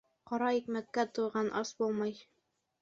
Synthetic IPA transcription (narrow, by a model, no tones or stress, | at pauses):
qɒɾɑikmæt̪̚kæt̪ujʁɑnʔɑsbulˠmɑj